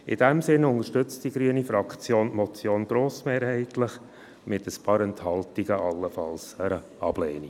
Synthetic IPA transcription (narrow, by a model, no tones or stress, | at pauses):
ɪ̰d̥ɛmsɪnʊŋəʃtʏt͡std̥iɡɾyənifɾɑkt͡sjoːntmɔt͡sjoːnɡ̥ɾoːsmeːɾɦɛɪtlɪχ | mɪtəspɑːɾɛnthɑltiɡəʔɑlːəfɑlsəɾə | ɑb̥lɛ̰ːni